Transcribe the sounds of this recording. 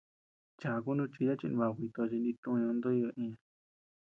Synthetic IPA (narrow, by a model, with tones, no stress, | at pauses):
t͡ʃa˨˧ku˦nũ˦˧t͡ʃi˧ja˦t͡ʃḭ˧nĩ˧βa˧˨kʷi˧t̪o˧t͡ʃi˧nd̪ĩ˧t̪ũ˧ɲõ˧nd̪o˦i˧o˧ʔĩ˧a˧